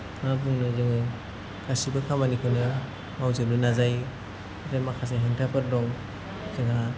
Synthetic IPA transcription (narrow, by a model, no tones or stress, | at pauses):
ŋabɯŋnɯzɯŋɯ | kasibɯkʰamanikʰɯnɯ | mawzɯlunazaj | ɾemakʰas̬eɦeŋtʰapʰɯɾdɔŋ | zɯŋa